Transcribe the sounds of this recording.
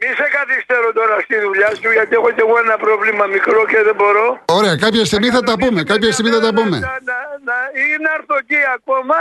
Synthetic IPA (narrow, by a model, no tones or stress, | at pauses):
misekɐθist̪eɾot̪o̞ɾɐst̪iðuʎasuʝat̪ieɣot̪ieɣoenɐpɾovlimɐmikɾokeðebo̞ɾooɾeɐkapçɐst̪imiθɐt̪ɐpumekapçɐst̪imiθɐt̪ɐpumḛnanainɐɾθociakomɐ